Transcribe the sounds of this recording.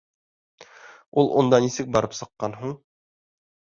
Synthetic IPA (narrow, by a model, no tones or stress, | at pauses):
ulˠʔund̪ɑnisɘk̚bɑɾɤpsɤ̆qːɑnɦuɴ